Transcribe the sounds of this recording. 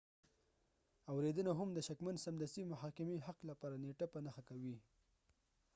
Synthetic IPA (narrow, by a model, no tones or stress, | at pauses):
awɾed̪ənaɦamd̪əʃakmansamd̪ast̪imʊɦɑkɪmeɦaqlapɑɾaneʈapənaxakawi